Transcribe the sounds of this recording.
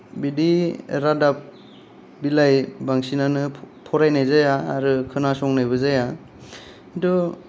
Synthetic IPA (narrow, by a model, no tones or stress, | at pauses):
bidiɾadap̚ | bilajbaŋsinanɯ | pʰɔɾajnajzajaːɾɯkʰɯnasɔŋnajbɯzaja | dɔ